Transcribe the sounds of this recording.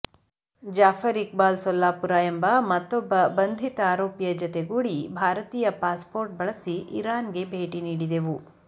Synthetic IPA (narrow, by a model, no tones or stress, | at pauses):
d͡ʒaːfʰɐɾik̚baːlsɔlːaːpuɾaːjembɐmɐt̪ːɔbːɐbɐnd̪ʱit̪ɐaːɾoːpjɐd͡ʒɔt̪eɡuːɽibʱaːɾɐt̪iːjɐpaːspoːɾʈ̚bɐɭɐsiʔiɾaːnɡe̞bʱeːʈiniːɽid̪e̞ʋu